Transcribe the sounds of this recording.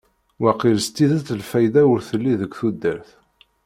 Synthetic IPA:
wæqilst̪ːiðət̪əlfæjðæʊɾθəlːiðəkʷːθud̪ːəɾθ

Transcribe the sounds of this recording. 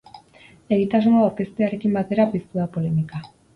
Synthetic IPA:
e̞ɣit̪aznoawɾke̞st̪eaɾe̞kimbat̪e̞ɾapist̪uapo̞le̞mika

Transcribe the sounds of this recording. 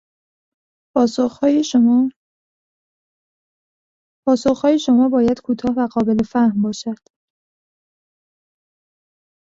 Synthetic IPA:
pʰɒːsoxhɒːjeʃ | pʰɒːsoχhɒːjeʃomɒːbɒːjæd̪̥kʰuːt̪ʰɒːhvæɢɒːbe̞lefæhmbɒːʃæd̪̥

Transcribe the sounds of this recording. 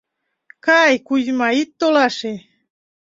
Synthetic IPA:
kajkuzmait̪ːolɑʃe

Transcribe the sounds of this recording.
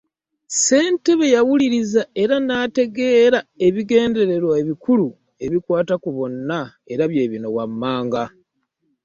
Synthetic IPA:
se̞ːnte̞βe̞jawuliɾizae̞ɾanaːte̞ɡe̞ːɾae̞βiɡe̞ːnde̞ɾe̞ɾwaeβikulu | e̞βikwaːtakuβo̞nːa | e̞ɾaβje̞ːβino̞wamːaːŋɡa

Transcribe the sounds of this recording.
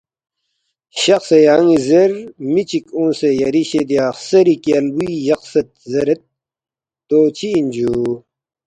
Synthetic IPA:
ɕɐxsejaːŋizeɾmit͡ɕikõːsejɐɾiɕed̪jaːxsɐɾikiɐlbuijɐqsɐt̪̚zɐɾet̪̚ː | oːt͡ɕʰiːnʲd͡ʑu

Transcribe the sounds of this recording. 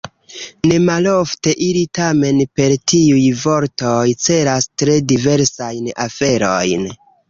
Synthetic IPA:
ne̞malofte̞ʔiɾitame̞npe̞ɾtiujvo̞ɾtojt͡se̞ɾastɾe̞dive̞ɾsajnafe̞ɾo̞jn

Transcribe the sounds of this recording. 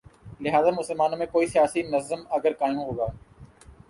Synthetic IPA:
lɪɦaːzaːmʊsəlmaːnõːmẽːkoːiːsɪjaːsiːnəzəməɡəɾkaːjũːɦoːɡaː

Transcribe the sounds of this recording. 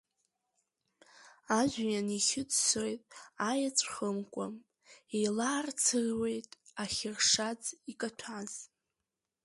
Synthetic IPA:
aʒʷᶣjaniχʲɪt͡sʼso̞jtʼajat͡sʷʰʼχəmkʷʼam | ejlaːrt͡sʰɨrwe̞jtʼaχʲɪrʂad͡zikʼatʷʰaz̥

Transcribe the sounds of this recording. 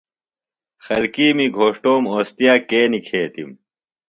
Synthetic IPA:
xɐlkiːmiɡʱoːʂʈoːmoːst̪ijaːkeːnikʰeːt̪ḭm

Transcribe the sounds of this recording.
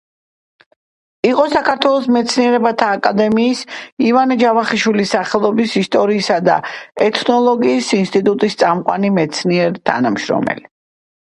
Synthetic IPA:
iqʼɔsakʰaɾt̪ʰwɛlˠɔsmɛt̪sʰniɛɾɛbat̪ʰaːkʼad̪ɛmiːsivanɛd͡ʒavaχiʃwilisaχɛlˠɔbisist̪ʼɔɾiːsad̪a̰ɛt̪ʰnɔlˠɔɡiːsinst̪ʼit̪ʼut̪ʼist̪sʼamqʼwanimɛt̪sʰniɛɾt̪ʰa̰namʃɾɔ̰mɛ̰li

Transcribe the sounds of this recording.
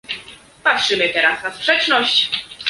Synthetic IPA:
patʂɘmɘt̪ɛɾasnaspʂɛt͡ʂnɔɕt͡ɕ

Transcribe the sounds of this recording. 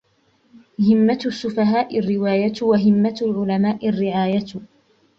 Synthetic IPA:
hɪmːasːʊfaɦaːʔɪrːɪwaːjawaɦɪmːat̪lʕʊlamaːʔɪrːɪʕaːja

